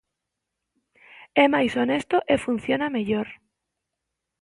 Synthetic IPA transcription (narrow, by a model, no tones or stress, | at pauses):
ɛmajsonest̪oʔefun̟θjonameʎoɾ